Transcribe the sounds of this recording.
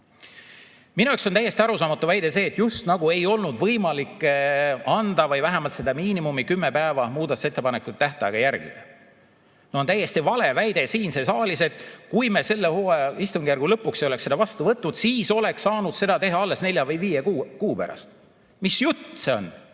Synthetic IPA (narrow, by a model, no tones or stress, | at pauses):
minueksonæjest̪iɑɾusɑːmɑt̪ːˑuvæjd̪e̞s̬e̞ːt̪ːjust̪nɑɡ̥ue̞jo̞lnud̪vɤjmɑlikːˑ | ɑnd̪ɑvɤjvæɦæmɑlt̪se̞d̪̥ɑmiːnimumikymːepæːvɑmuːd̪ɑt̪u̥se̞t̪ːˑepɑnekːˑut̪̚ːæht̪ɑeɡ̥ɑjærɡ̥ḭd̪̥ɑ | noont̪æjːe̞st̪ivɑle̞væjd̪̥e̞siːnse̞sɑːlʲise̞t̪ˑkujme̞se̞lːehoːist̪uŋɡjærɡ̥ulɤpːˑuksejolekse̞d̪ɑvɑst̪uvɤt̪nud̪̥siːso̞le̞kssɑːnud̪̥se̞d̪ɑt̪e̞ɦɑɑlːe̞sne̞lʲjɑvɯjviːjekuːkuːpæ̰ɾɑ̰st̪ | misjut̪ːse̞o̞̰n